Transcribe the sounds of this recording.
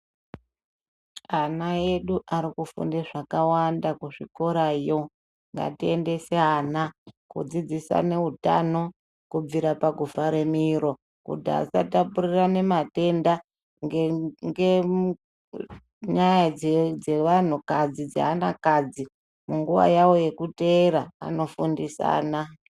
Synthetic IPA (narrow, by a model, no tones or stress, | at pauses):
anae̞ɗuʔaɾikufṵndeʐakawandakuʐiko̞ɾajo̞ | ŋɡa̰tie̞nde̞seɦanakṵd͡zid͡zisa̰ne̞ɦuta̰no̞ | kub͡viɾapaɡʱuvaɾe̞miɾo̞ | kṵdaa̰satapurirane̞mate̞nda | ŋŋɡe | ɲajad͡zeʋan̤ukad͡zid͡za̰ːnakad͡zi | muŋɡuʋa̰jawo̞je̞kute̞ɾaa̰no̞fundisa̰ːna